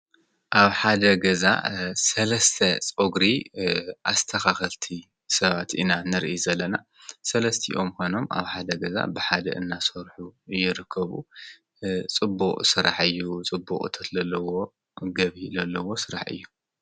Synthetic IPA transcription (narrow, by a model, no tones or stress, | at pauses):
ʔaβħad̪ɐɡɐza̰sɐlɐst̪ʰɐt͡sʼoɡɾiʔast̪ʰɐxaxɐlt̪ʰi | sɐβat̪ʔinanɨɾʔizɐlːɐna | sɐlɐst̪ʰḭʔomkono̞mʔa̰βħad̪ɐɡɐza̰bɨħad̪ɐ̰ʔɨnːasoɾħujːɪɾɨkʰːɐβu | t͡sʼɨbːuqʼsɨɾa̰ħɨjːut͡sʼɨbːukʼt̪ʰɐt̪zɐlːɐwo̞ | ɡɐβizɐlːɐwo̞sɨɾaħɨ̰jːu